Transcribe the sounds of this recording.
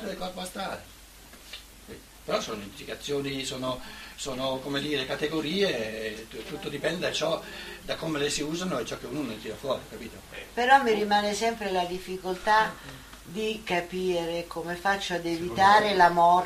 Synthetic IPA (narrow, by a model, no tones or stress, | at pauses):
ed̪elkɔrpoast̪aːɾe | i | peɾɔsoːnoimp̪likat̪sːjoːnisoːnosoːnokomed̪iːɾekat̪eɡoɾiːet̪ːut̪ːod̪ipɛnd̪ed̪at͡ʃɔd̪akːomelesiuːzanoɛt͡ʃːɔk̟ːeuːnonorit̪iːɾafwɔːɾikapiːt̪opeɾɔmːiɾimaːnesɛmpɾelad̪ifːikolt̪a | d̪ikapiːɾekomefat͡ʃːoad̪evit̪aːɾelamɔ